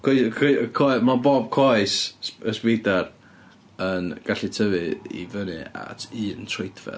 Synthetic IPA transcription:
kʰekʰkʰɔmaboːb̥̚kʰɔjsəspidar | ənɡ̥aɬitʰəvɨḭvənɨa̰tʰɨːntʰrejdʰvɛ̰

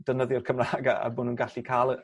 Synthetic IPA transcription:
d̥ənəðjɔrkʰəmraːɡa̰a̰bʊːnuːnɡaɬikʰalˠə

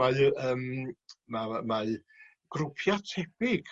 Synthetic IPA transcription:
aɨəːmmama | ɡ̥rʊpʰjatʰɛb̥ɪɡ̥

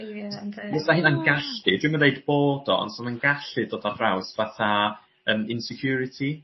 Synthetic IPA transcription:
mɛsahɪːnanɡaɬtɨdwɪmanejdboːdɔ̰nsɔmanɡaɬtɨdoːdadrawsvaθa | əːmɪnsɛkʰj̥uːɾɪtʰi

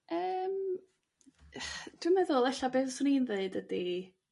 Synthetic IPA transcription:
əːm | d̥wɪmɛðʊlˠɛɬabeːðsʊnenðeɨdədi

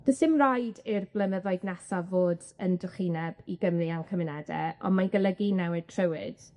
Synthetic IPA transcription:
d̥əsɪmrajdɪrblˠənəðɔɨdnasavoːd | əndʊχinɛbiɡəmriankʰəmɪnɛdɛ̰ɔ̰nmanɡəlˠəɡinawɪtʰrəwɪ̰d̥

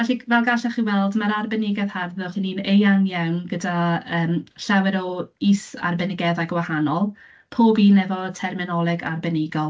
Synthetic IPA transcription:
vɛɬivɛlˠɡaɬɛχiwɛlˠdmaɾarbɛnɪɡɛð̥harðʊχininejaŋjawnɡədaəːmɬawɛɾɔisa̰rbɛnɪɡɛðaɡwahanɔlˠ | pʰoːbiːnɛvɔtʰɛrmɪnɔlˠɪɡa̰rbɛnɪɡɔlˠ

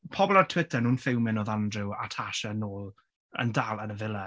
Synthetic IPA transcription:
pʰɔbɔlˠartʰwɪtʰərnuːnfɪwmɪnɔðandrɪwa̰tʰaʃənoːlˠ | ə̰ndaːlˠənəvɪlˠə

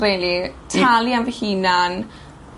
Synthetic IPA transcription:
relitʰalianvɛhinan

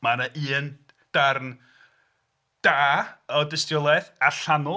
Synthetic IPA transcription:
manəʔiːən | d̥arn | d̥aːɔdəstjɔlˠɛðaɬanʊ

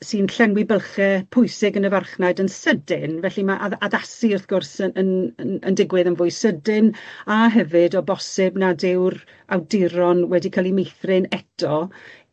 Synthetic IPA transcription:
siːnɬɛnwɪbəlˠχɛpʰʊjsɪɡənəvarχnajdənsədɪnvɛɬimaʔaaðasiərθɡʊrsəənə̰ndɪɡwɨðənvʊɨsədɪnaɦɛvɨdɔbɔsɪbnadɪwr | awdɪɾɔnwɛdikʰaːlˠimejθrɪnɛtʰɔ

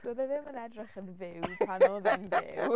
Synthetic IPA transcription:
d̥oðɛðɪmənɛdrɪχənvɪwpʰanɔðɛnɪ̰w

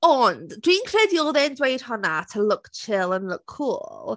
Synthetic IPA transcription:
əndɹĩːŋkʰɹɛdjɔlˠðɛndweɪd̥hɔnətʰəlʊkt͡ʃʰɪlə̃nlʊkʰːuːllˠ

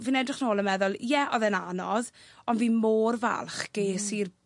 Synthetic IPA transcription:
viːnɛdrɪχnoːlˠənmɛðʊlˠjɛʔɔðɛnanɔðɔnviːmoːrva̰lˠχɡ̥ejsiːr

